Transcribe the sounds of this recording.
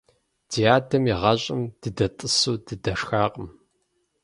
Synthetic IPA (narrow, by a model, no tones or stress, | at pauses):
dijaːdʰɐmiʁɐɕʼɪmd̥ɨdɐtʼɨsuːdɨdɐʂxaːqʼəm